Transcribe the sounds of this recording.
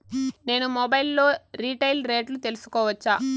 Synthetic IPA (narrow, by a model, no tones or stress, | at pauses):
ne̞ːnumɔbɐjlːo̞ːɾiːʈɐjlɾe̞ːʈlut̪e̞lusu̥kɔːʋɐt͡ʃːaː